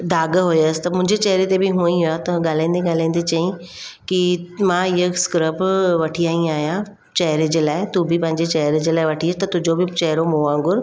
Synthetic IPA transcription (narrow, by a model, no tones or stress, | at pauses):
d̪ʱaːɡɦojəsɪ̥t̪ɐmʊ̃ɦɪ̃ɲd͡ʑet͡ɕɐɦɾet̪ebɪɦũːĩɦijat̪ɐɠaːl̤ãĩnd̪eɡaːl̤ãĩnd̪et͡ɕɐĩ | kimãɪɦəskɾəbʋɐʈʰijaːĩaːɦjã | t͡ɕɐɦɪɾed͡ʑelaːɪt̪ubɪpɐ̃ɦɪ̃ɲd͡ʑet͡ɕɐɦɾd͡ʑelaːɪʋɐʈʰiəst̪ɐt̪ʊd͡ʑobɪt͡ɕɐɦɾomoːãːŋɡʊɾ